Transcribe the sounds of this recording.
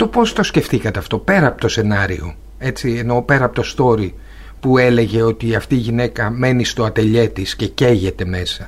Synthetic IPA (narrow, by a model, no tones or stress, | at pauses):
t̪o̞po̞st̪osce̞fθikɐt̪e̞ɐft̪o̞pe̞ɾɐːpo̞̥t̪ose̞nɐɾḭo̞̰ | e̞t͡sieno̞pe̞ɾɐɐpo̞t̪o̞st̪o̞ɾi | pue̞le̞ʝe̞o̞t̪iɐft̪iːʝine̞kɐme̞nist̪o̞ɐt̪e̞ʎe̞t̪isce̞ce̞ʝe̞t̪e̞me̞sɐ